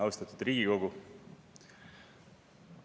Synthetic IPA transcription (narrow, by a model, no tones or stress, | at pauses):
ɑwst̪ɑt̪ːˑud̪̥riːɡ̥iko̞ɡu